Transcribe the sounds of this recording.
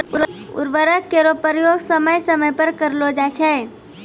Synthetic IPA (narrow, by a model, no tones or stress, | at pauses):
ʊ̰ɾʋəɾəkkːeɾopəɾjoːɡsəməjsəməjpəɾkəɾlod͡ʒat͡ʃʰɛ